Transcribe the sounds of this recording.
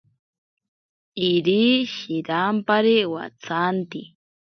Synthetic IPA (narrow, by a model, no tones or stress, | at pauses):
iɾiʃiɾampaɾiwa̰t͡sʰant̪i